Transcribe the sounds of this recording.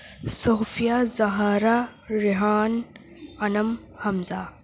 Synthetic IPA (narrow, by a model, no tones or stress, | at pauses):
soːfijazɐɦaːɾaɾiɦaːn | ɐnɐm | hɐmza